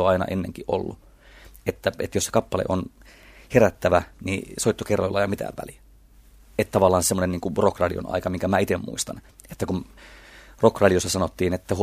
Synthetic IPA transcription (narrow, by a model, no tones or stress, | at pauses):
oɑinɑ̰ʔenːḛŋkiʔʔo̰lːu | et̪ːæet̪jose̥kɑpːɑlḛʔon | heɾæt̪ːæʋænḭsoit̪ːokerːo̰ilːɑjɑmit̪æ̰ːʋʋæ̰li | et̪t̪ɑʋɑlːˑɑːnsemːonenniːŋkurokrɑlio̰nɑ̰ikɑmiŋkæmæit̪emmṵist̪ɑn | et̪ːækum | rokrɑliosːɑsɑnot̪ːiːnet̪ːæhu